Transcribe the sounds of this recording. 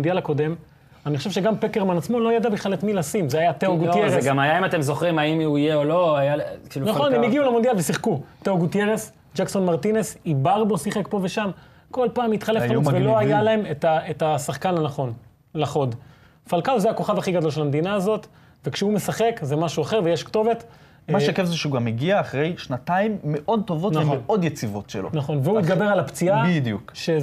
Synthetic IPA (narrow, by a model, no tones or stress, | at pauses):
ndjalako̞d̪e̞m | anixoʃeʃe̞ɡampekeʁmanat͡smo̞lo̞jad̪abiχlalet̪milasimzeajat̪eoɡutjeeɡamajaimat̪emzo̞χʁimaimuijeolo̞ajakilnaχonimiɡiulamond̪jalvesiχkut̪eoɡut̪jeʁes | d͡ʒakso̞nmaʁt̪inesibaʁbo̞siχekpo̞ve̞ʃam | ko̞lpaːmit̪χalefavelo̞ajalae̞metaetasaχkanhanaχon | laχo̞d̪ | falkalzeako̞χavaχiɡad̪olʃelamed̪inaːzo̞t̪ | vekʃeume̞saχekzemaʃuaχe̞ʁvejeʃkt̪o̞ve̞t̪ | maʃekevzeʃeuɡameɡiaːχʁe̞jʃnat̪aimːeʔo̞d̪̚t̪o̞votnameʔo̞d̪jet͡sivo̞tʃḛlo̰naχo̞nveuit̪ɡabeʁalapt͡siabid̪jukʃe